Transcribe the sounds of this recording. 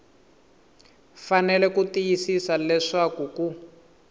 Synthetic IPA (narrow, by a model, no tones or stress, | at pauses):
fanɛlɛkutijisisalɛʂakuku